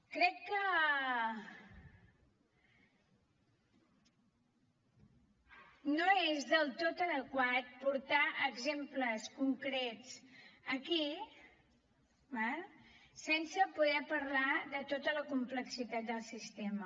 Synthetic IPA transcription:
kɾɛkːə | noezðəlˠt̪ot̪əðəkwat̪̚puɾt̪aʔəɡzempləskuŋkɾɛt͡səki | balsɛnsəpuðɛpəɾlaðət̪ot̪ələkumpləksit̪at̪̚d̪əlˠsist̪emə

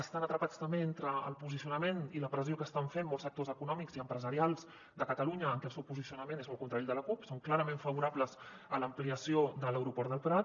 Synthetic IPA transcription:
əst̪anət̪ɾəpat͡st̪əmbeent̪ɾəə̰lˠpuzisiunəmeniləpɾəziokəst̪aɱfenmɔlˠzək̚t̪ozəkunɔmikziəmpɾəzəɾialˠz | d̪əkət̪əluɲəːŋkɛlˠsɛwpuzisiunəmenezmɔlˠkunt̪ɾaʎd̪ələkupsoŋklaɾəmeɱfəβuɾabləz | ələmpliəsiod̪ələwɾupɔɾəlˠpɾat̪̚

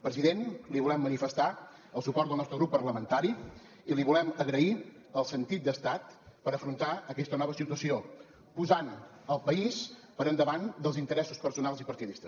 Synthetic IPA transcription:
pɾəziðenliβulɛmːənifəst̪a | əlˠsupɔrt̪əlˠnɔst̪ɾəɣɾupːərləmənt̪aɾi | iliβulɛməɣɾəi | əlˠsənt̪it̪̚d̪əst̪at̪pəɾəfɾunt̪aəkɛst̪ənɔβəsit̪uəsio | puzan | əlˠpəispəɾənd̪əβand̪əlˠzint̪əɾɛsuspəɾsunalˠzipəɾt̪iðist̪ə

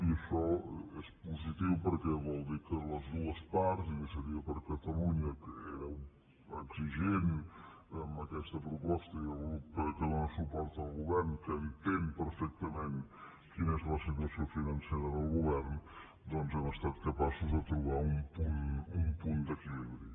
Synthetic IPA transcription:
iəʃɔɛspuzit̪iwpəɾkɛβɔlˠd̪ikələzðuəspaɾt̪zikəsəɾiəpəɾkət̪əluɲəkəɛɾəu | əksiʒen | əmbəkɛst̪ɐpɾupɔst̪ɐəupkəðonəsupɔɾt̪ːlˠɣuβɛɾnkənt̪ɛnpəɾfɛk̚t̪əmẽn | kinɛzləsit̪̬wɐsjofinɐnsɛɾəðəlˠɣuβɛɾn | d̪ɔnzɛməst̪at̪̚kəpasuzðət̪ɾuβaumpunumpund̪əkɛmɾi

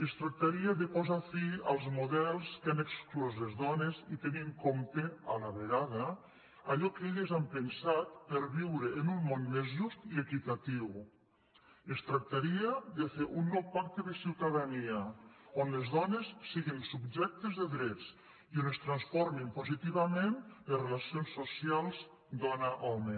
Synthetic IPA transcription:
est̪ɾak̚t̪aɾiaðepɔzafialˠzmuðɛlˠskaneksklɔzlezðɔnezit̪eniŋkomt̪ealaβeɣaða | aʎɔkeʎezampensat̪̚peɾβiwɾeːnummonmezʒust̪iekit̪at̪iw | est̪ɾak̚t̪aɾiaðefeʔunːɔwpak̚t̪eðesiwt̪aðaniaonlezðɔnesːiɣinsub̚d͡ʒɛk̚t̪ezðeðɾɛt͡s | ionest̪ɾansfɔɾmimpozit̪iβamenlerelasionsːosialˠz | d̪ɔnaʔɔme

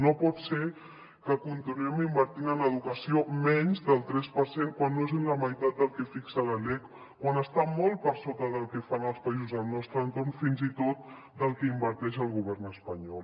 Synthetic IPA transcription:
nopɔt̪se | kəkunt̪inuɛmimbəɾt̪inənəðukəsiomɛɲzðəlˠt̪ɾɛspəɾseŋkwanːoezənləməjt̪at̪̚d̪əlˠkɛfiksələlɛk | kwanəst̪amɔlˠpəɾsot̪əðəlˠkɛfanəlˠspəizuzəlˠnɔst̪ɾənt̪ornfinzit̪ot̪̚ | d̪əlˠkɛimbəɾt̪ɛʃ̬əlˠɣ̞uβɛrnəspəɲɔlˠ

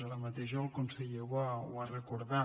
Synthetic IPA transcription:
aləmat̪eʃalˠkunseʎewawarəkuɾða

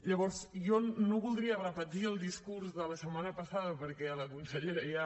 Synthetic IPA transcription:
ʎəβɔɾzjɔnoβulˠd̪ɾiərəpət̪iəlˠd̪iskuɾzðələsəmanəpəsaðəpəɾkɛələkunsəʎeɾəja

